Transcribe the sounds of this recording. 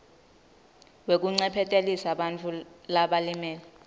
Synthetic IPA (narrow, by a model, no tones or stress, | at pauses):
wek̬uŋ͡ǀɛpʰɛtʼelisaɓant͡fʰulaɓalimɛːlɛ